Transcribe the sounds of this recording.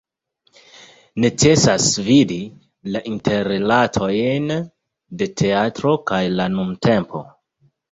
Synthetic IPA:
ne̞t͡se̞sasvidi | laʔintʰe̞ɾelatʰo̞jn | de̞tʰe̞atɾo̞kajlanumte̞mpʰo̞

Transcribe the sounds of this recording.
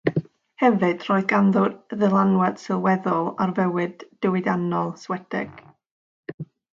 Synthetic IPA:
hɛvɨd̥r̥oːɨðɡanðʊdðəlˠanwɛd̥sɨlˠwɛðʊlˠarvɛwɨdːɪwɨdanɔlˠswɛdɛ̰ɡ̥

